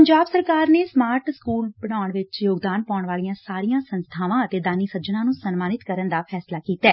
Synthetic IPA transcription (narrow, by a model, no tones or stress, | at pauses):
əɲd͡ʒaːbsəɾkaːɾneːsmaːɾʈskuːlbəɽ̃aːəɳʋɪt͡ʃjoːɡd̪aːnpɔːɳʋaːlijãːssaːɾijãːsənst̪ʰaːʋãːət̪eːd̪aːniːsəd͡ʒənãːnũːsənmaːnɪt̪kəɾənd̪aːpʰɛːslaːkiːt̪ɛː